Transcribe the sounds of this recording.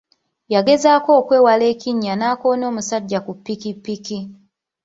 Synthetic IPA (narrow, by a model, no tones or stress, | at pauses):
jaɡe̞zaːko̞ːkwe̞ːwale̞ːciɲːanaːko̞ːno̞ːmusaɟːakupːikipːiki